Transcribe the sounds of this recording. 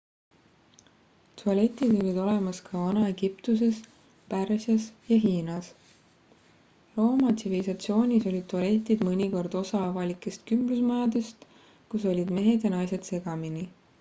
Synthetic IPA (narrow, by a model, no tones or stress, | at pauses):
t̪ʰuɑle̞t̪ːˑid̪̥o̞lʲid̪̥o̞le̞mɑskʰɑvɑnɑe̞ɡ̥ipt̪us̬e̞s | pærsjɑsjɑɦiːnɑs | ro̞ːmɑt̪sivilisɑt̪sio̞ːnʲiso̞lʲid̪̚t̪uɑle̞t̪ʲːˑid̪mɤnʲiko̞rd̪̥o̞sɑɑvɑlikːˑe̞st̪kymb̥lusmɑjɑd̪e̞st̪ | kuso̞lʲid̪̥me̞ɦe̞d̪̥jɑnɑjse̞d̪̥se̞ɡ̥ɑmini